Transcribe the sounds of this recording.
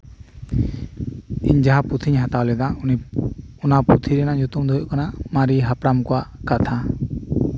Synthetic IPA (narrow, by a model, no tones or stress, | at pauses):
ḭɲd͡ʒaɦaput̪ʰiɲɦat̪awlɛd̪anɔnaput̪ʰiɾɛnaɲut̪umd̪ʱɔɔʔkanamaɾiɦapɾamkɔwaʔkat̪ʰa